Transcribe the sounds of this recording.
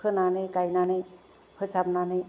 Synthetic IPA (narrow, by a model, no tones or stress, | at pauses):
ɯnanekajnane | hʰɯsabnane